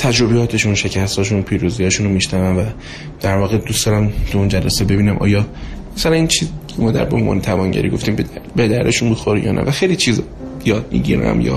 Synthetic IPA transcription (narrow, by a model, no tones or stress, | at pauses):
t̪ʰæd͡ʒɾo̞bejɒːt̪ʰe̞ʃunʃe̞cʰæst̪ɒːʃ̬unpʰiːɾuːzijɒːʃuːnomiʃnævænvæ | d̪̥æɾvɒːɣed̪usd̪ɒːɾæmt̪ʰuund͡ʒælæsebe̞biːnæmʔɒ̰ːjɒmæsælæniːnt͡ʃʰiːzcʰemɒːd̪æ̰ɾbeonvɒ̰ːnet̪ʰævɒːnɟæ̰ɾiɡo̞ft̪iːmbed̪æɾeʃunbixoɾijɒ̰ːnʔæ̰væxejlit͡ʃʰiːz | jɒːd̪̥̚mḭɟḭːɾæ̰mjɒ̰ː